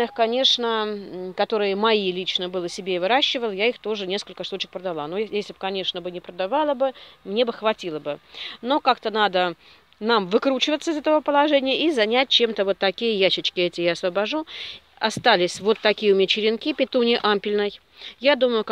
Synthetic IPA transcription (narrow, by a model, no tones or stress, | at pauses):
ɨxkɐnʲe̞ʂnəkɐt̪o̞ɾɨjəmɐilʲit͡ɕnəbɨlˠəsʲɪbʲeɪvɨɾaɕːɪvəlˠjaixt̪o̞ʐɨnʲe̞skəlʲkəʂt̪ut͡ɕɪk̚pɾəd̪ɐlˠanojesʲlʲɪb̚kɐnʲe̞ʂnəbɨnʲɪpɾəd̪avalˠəbɨmnʲe̞bɨxvɐtʲilˠəbɨno̞kakt̪ənad̪ə | namvɨkɾut͡ɕɪvət̪səɨɪzɛt̪əvəpəlˠɐʐɛnʲɪjəizɐnʲæt̚ʲt͡ɕe̞mt̪əvo̞t̪ːɐkʲijəjæɕːɪt͡ɕkʲɪɛtʲɪjaɐsvəbɐʐu | ɐst̪alʲɪsʲvo̞t̪ːɐkʲijəʊmʲɪt͡ɕɪɾʲɪnkʲipʲɪt̪unʲɪʔampʲɪlʲnəj | jad̪uməjʊ